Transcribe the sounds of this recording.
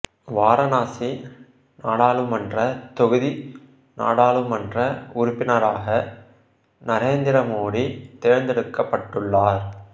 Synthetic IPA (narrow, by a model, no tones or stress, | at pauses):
ʋaːɾɐnaːsi | naːɽaːɭɯmɐndrɐt̪ɔɣɯði | na̰ːɽaːɭɯmɐndrɐʊɾʊpːɪnɐɾaːɣɐ | nɐɾeːnd̪ɪɾɐmoːɽit̪eːɾnd̪ɛɽɯkːɐpːɐʈːɯɭːaːɾ